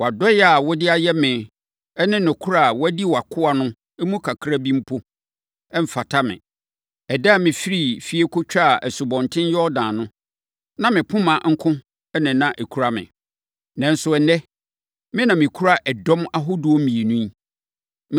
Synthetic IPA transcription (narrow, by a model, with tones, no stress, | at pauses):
wɔ˨a˨dɔ˦jɛ˦a˨wɔ˦dɪ˦a˨jɛ˦mɪ̃˨ | ɛ˦nɪ̃˦nʊ̃˨kʰu˦ɾa˦˨wɔ˦æ˦di˦˨wa˨kʰʊ˦a˨nʊ̃˦ | ɛ˦mũ˦kʰa˨kʰɾa˦bĩ˦m̩˦pʰo˦ | ɛ˦m̩˨fa˨tʰa˦mɪ̰̃˨ | ɛ˨da˦˨mɪ̃˨fi˦ɾi˦˨fi˦e˦kʰʊ˦t͡ɕᶣa˦˨ʔɛ˨sʊ˨bɔ̃˨ntʰɪ̃˦n˦jɛ˦ɔ˦dãː˨nʊ̃˦ | nã˦mɪ̃˨pʰʊ̃˦mã˨ŋ̩˦kʰʊ̃˦ | ɛ˦nɪ̃˨nã˦ʔe˨kʰu˨ɾa˦mɪ̰̃˨ | nã˨n̩˦sʊ˨˦ɛ˨nɛ˦ | mɪ̃˦nã˨mɪ̃˨kʰu˦ɾa˦ʔɛ˨dɔ̃˦ma˦ɦʊ˦dʊ˨ɔ˦mĩ˨e˨nũ˦i˦